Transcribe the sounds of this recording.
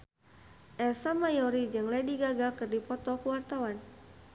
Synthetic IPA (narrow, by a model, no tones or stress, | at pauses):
ʔɛrsamajɔɾid͡ʒɨŋlɛdiɡaɡakɨrdipɔt̪ɔkəwart̪awan